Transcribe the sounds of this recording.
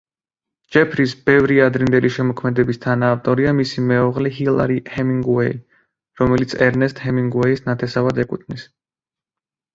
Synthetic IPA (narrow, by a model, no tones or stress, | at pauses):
d͡ʒɛpʰɾisbɛvɾiad̪ɾind̪ɛliʃɛmɔkʰmɛd̪ɛbist̪ʰanaːft̪ʼɔɾiamisimɛɔʁlɛɦilˠa̰ɾihɛmiŋɡuɛi | ɾɔmɛlit̪sʰɛɾnɛst̪hɛmiŋɡuɛisnat̪ʰɛsavad̪ɛkʼut̪ʰnis